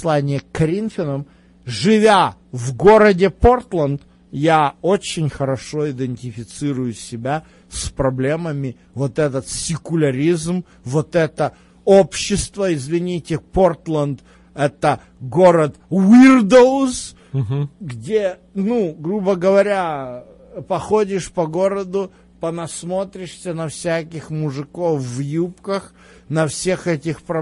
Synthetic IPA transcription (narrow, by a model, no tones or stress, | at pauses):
lˠanʲɪjəkɐɾʲinfʲɪnəm | ʐɨvʲa | vɡo̞ɾədʲɪpo̞rt̪lˠənd̪ | jaot͡ɕɪnʲxəɾɐʂo̞ɪd̪ɨnʲtʲɪfʲɪt̪sɨɾʊjʊsʲɪbʲa | spɾɐblʲe̞məmʲɪ | vo̞t̪ɛt̪ət̪sʲɪkʊlʲɐɾʲizm | vot̪ɛt̪ə | opɕːɪst̪vəɪzvʲɪnʲitʲɪpo̞rt̪lˠənd̪ | ɛt̪ə | ɡo̞ɾət̪wird̪ows | ɡdʲe | nuɡɾubəɡəvɐɾʲa | pɐxodʲɪʂpɐɡo̞ɾəd̪ʊ | pənɐsmo̞t̪ɾʲɪʂsʲənɐfsʲækʲɪxmʊʐɨkofːjupkəx | nɐfsʲe̞xɛtʲɪxpɾɐ